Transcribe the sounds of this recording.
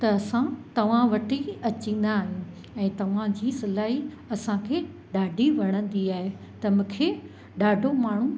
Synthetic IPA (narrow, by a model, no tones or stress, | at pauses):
t̪ɐɐsãt̪ɐʋ̤ãʋɐʈiɐt͡ɕĩːn̆d̪aːɦɪn | ɛ̃ːt̪ɐʋ̤ãd͡ʑiːsɐlaːɦi | ɐsãkʰeː | ɗaːɖʱiʋɐɽ̃ə̃nd̪iaːɦe | t̪ɐmũːkʰeː | ɗaːɖʱomaːɳ̤ũ